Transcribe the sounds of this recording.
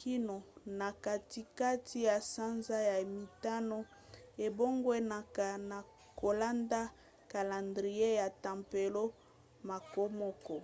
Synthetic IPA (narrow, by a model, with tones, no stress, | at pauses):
kʰi˦no˨na˨ka˨ti˦ka˦tʰi˦ja˨sa˦nza˦ja˨mi˨ta˦no˦ | e˨bo˦ŋɡwe˦na˨ka˨na˨ | ko˨la˦nda˦ | ka˨la˨ndʁi˨je˦ja˨ta˨mpe˨lo˦ | ma˨ko˦mɔ˦kɔ˨